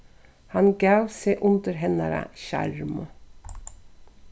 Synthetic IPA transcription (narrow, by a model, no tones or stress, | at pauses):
hɑnɡɑːʉseːʔʊnd̪əɾɦɛnɑɾə̰çæ̰ɾm